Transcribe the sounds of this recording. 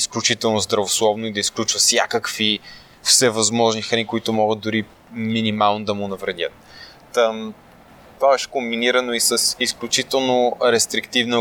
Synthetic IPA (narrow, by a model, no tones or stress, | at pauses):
isklʲut͡ʃit̪ɛlˠnʊzd̪ɾɐvoslˠɔvnoid̪ɐisklʲut͡ʃvəsʲja̰kəkvi | fsɛvɐzmɔʒnixɐnikʊit̪ʊmɔɡət̪̚d̪ʊɾi | minimalˠnod̪ɐmʊnɐvɾɛd̪ʲə̰t̪̚ | t̪vaɛʃkombiniɾənoisəsisklʲut͡ʃit̪ɛlˠnoɾɛst̪ɾikt̪ivnə